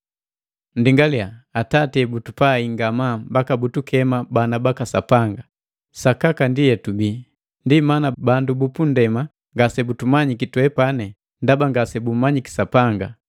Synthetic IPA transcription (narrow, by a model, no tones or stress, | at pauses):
n̩diŋɡaliaːtatɛbutupaiŋɡamambakabutukɛmabanabakasa̰paŋɡa | sakakandijɛtubi | ndimanabandubupundɛma | ŋɡasɛbutumaɲikitwɛpanɛ | ndabaŋɡasɛbumaɲiki̥sapaŋɡa